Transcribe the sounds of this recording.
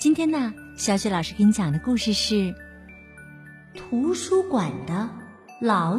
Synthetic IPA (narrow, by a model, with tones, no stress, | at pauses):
t͡ɕi˥nt̪ʰjɛ˥nnə˨ɕjɑ˧˥ʊɕɥɛ˧˥lɑ˨ʊʂɻ̩˥kə˥ŋt͡ɕjɑ˨˩ŋd̪ə˦ku˥˧ʂɻ̩˥˧ʂɻ̩˥˩ | t̪ʰu˧˥ʂu˥kwa˨˩nd̪ə˦ | lɑ˨˩